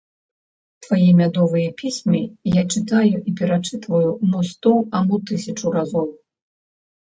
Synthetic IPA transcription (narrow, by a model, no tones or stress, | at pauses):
t̪vajɛmʲad̪ɔvɨjɛpʲisʲmʲijat͡ʂɨt̪ajuʔipʲɛɾat͡ʂɨt̪vɐjumɔst̪ɔamut̪ɨsʲɐt͡ʂuɾazɔw